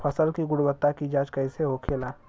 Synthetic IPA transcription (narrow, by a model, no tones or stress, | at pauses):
pʰəsəlkiɡʊɽbət̪ːakid͡ʒaːd͡ʒkɐɪseɦokʰeːlaː